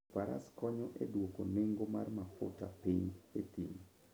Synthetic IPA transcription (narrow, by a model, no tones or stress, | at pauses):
paɾa̰skɔɲɔʔedwokoneŋɡomarmapʊ̰ta̰piɲet̪im